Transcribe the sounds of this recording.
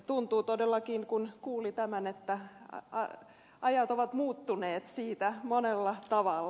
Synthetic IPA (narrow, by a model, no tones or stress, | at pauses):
t̪unt̪uːt̪odelːɑkinkunkuːlit̪æmænet̪ːæɑ̰ | ʔɑjɑt̪oʋɑt̪muːt̪ːuneːt̪siːt̪æmonelːɑt̪ɑʋɑlː